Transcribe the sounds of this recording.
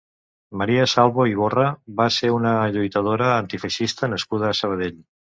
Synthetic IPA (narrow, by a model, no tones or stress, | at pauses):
məɾiəsalˠβoiβ̞orəβaseunəʎujt̪əð̞oɾəːnt̪ifəʃist̪ənəskuð̞əːsəβ̞əð̞eʎ